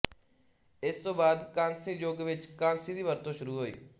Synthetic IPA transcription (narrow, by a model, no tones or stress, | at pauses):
ɪst̪õːbaːd̪kãːnsĩːd͡ʒoːɡʋɪt͡ʃkãːnsĩːd̪iːʋəɾt̪õːʃʊɾuːɦoːḭː